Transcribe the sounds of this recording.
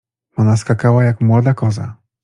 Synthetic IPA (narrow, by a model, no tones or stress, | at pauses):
ɔnaskakawajakmwɔd̪akɔza̰